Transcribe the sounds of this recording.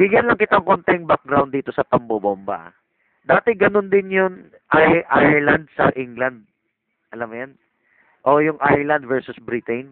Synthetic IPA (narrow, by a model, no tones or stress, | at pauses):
bɪɡjɐnlɐŋkɪt̪aʔɐŋko̞nt̪ɛŋbak̚ɡɾawnd̪iːt̪o̞sɐpɐmbobombɐ̰ | d̪aːt̪ɛɡɐnond̪ɪnjʊŋ | ʔajʔajɛɹlɐnd̪̚sɐ̰ʔɪŋɡlɐnd̪̚ | ʔɐlɐmːʊjan | ʔojʊŋʔajɹlɐnd̪̚vɛɹsʊsbɾit̪ɛn